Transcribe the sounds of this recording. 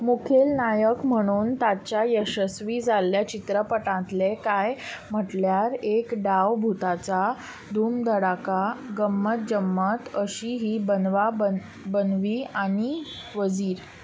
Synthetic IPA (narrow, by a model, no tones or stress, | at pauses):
mukʰelnajəkm̤əɽ̃uːnt̪at͡ɕjajəɕəsʋid͡zʱaljat͡ɕit̪ɾəpəʈãt̪lekajm̤əʈljaɾekɖaʋbʱut̪at͡sa | d̪ʱuːmd̪əɽakaɡəmːət̪̚d͡ʑəmːət̪əɕiɦiːbənʋabə | bənʋiːaɽ̃i | ʋəd͡ziːɾ